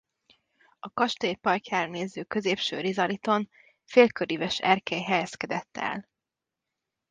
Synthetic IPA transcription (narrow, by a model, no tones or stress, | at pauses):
ɒkɒʃt̪eːpɒjcaːɾɒneːzøːkø̞zeːpʃø̰ːɾizɒɾit̪o̞n | feːlkøɾivɛʃɛrkɛjɦɛjɛskɛd̪ɛt̪ːɛ̰l